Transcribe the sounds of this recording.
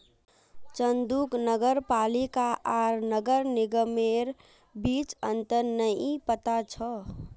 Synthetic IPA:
t͡ʃənd̪uknəɡəɾpalikaʔaɾnəɡəɾnɪɡəmeɾ | bit͡ʃənt̪əɾnəipət̪at͡ʃʰə

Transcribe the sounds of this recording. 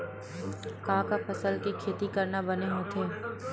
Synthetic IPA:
kãːkapʰɐsəlkikʰeːt̪ikɐɾnabɐneɦoːt̪ʰeː

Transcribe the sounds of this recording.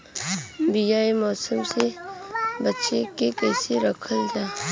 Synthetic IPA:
bijaːimɔːsəmse | bətːʃekekɛːseɾəkʰəld͡ʒaː

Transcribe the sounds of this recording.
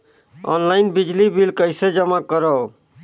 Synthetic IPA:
ɔ̰ːnlaːɪnbɪd͡ʒliːbɪlkəɪseːd͡ʒəmaːkəɾa

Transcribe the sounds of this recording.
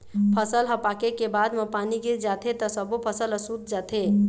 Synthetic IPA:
pʰəsəlɦəpakekebad̪məpaniɡed͡ʒat̪ʰet̪ɔsəbopʰəsələsut̪̚d͡ʒat̪ʰe

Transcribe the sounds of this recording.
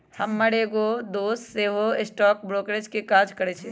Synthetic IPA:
hɐmːɐɽeɡod̪oːsseːɦoɪsʈɔːk̚bɾoːkɾed͡ʒkekaːd͡ʒkɐɾeːt͡ʃʰe

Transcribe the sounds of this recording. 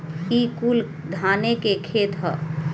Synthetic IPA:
kikul | d̪ʱanekekʰet̪ɦə̰

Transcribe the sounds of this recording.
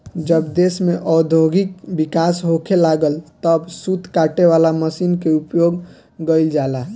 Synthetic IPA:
d͡ʒəbd̪esmeʔɔd̪ʱoɡik̚bikasɦokʰelaɡəlt̪əbsut̪ʰkaʈeʋalaməsinkeupjoɡː | əɪld͡ʒala

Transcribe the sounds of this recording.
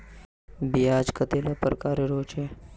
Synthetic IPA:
biaːd͡ʒkət̪elapɾəkaːɾeɾoːt͡ʃe

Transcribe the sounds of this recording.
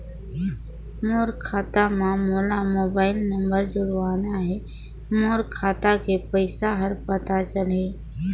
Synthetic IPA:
moːɾkʰaːt̪amãmuːlamoːbaːɪlnə̃mbəɾd͡ʒʊɾʊaːnaɦɛ | moːɾkʰaːt̪akepəɪsaɦəɾpət̪at͡ʃəle

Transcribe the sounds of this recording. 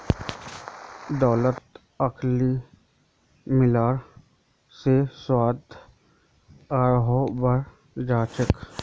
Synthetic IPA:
d̪ɔːlət̪ | əkʰli | mɪlaːɾ | seswaːd̪ʱ | aːɾɦobəɾ | d͡ʒaːt͡ʃək

